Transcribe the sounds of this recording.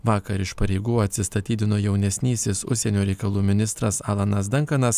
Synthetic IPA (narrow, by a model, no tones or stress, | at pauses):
ʋɑːkɐɾɪʃpɐɾʲɛɪɡuːɐt̪ʲsʲɪst̪ɐt̪ʲiːt̪ʲɪnoːjɛʊnʲɛsʲnʲiːsʲeːsʊʃʲsʲɛnʲoːɾʲɛɪkɐlˠuːmʲɪnʲɪst̪ɾɐsɑːlˠɐnɐsd̪ʲɐŋkɐnɐs